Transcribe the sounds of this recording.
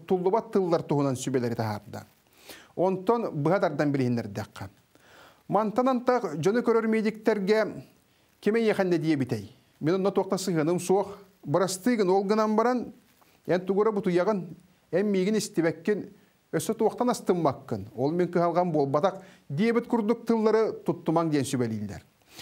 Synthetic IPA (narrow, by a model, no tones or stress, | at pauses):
t̪ulˠːuβat̪ːɯlˠːɑɾt̪uɦunɑnsybɛlɛɾit̪ɑɦɑ̰ɾd̪a̰ | ɔnt̪ɔnbɯɦad̪ɑɾd̪ɑmbilʲiɦinːɛɾd̪ɛqːɑn | mant̪ɑnant̪ɑqd͡ʒɔnɯkøɾøɾmed̪ik̚t̪ɛɾɡɛ | kimɛjɛχænːɛd̪ijɛbit̪ɛj | menonːat̪uɑq̚t̪ɑsɯɦɯnɯmsuɔq | bɯɾɑst̪ɯjɡɯnolˠɡɯnɑmbɑɾɑn | ænt̪uɡuɾabut̪ujɑʁɯn | æmːiɡinist̪ibækːen | øsøt̪uwɑq̚t̪ɑnɑst̪ɯmːɑkːɯnolˠmeŋkɯɦɑlˠʁɑnbolˠbɑt̪ɑqd̪ijebit̪̚kuɾd̪uk̚t̪ɯlˠːɑɾɯt̪ut̪ːumɑŋd̪ejɛnsybælʲḭlʲːæ̰ɾ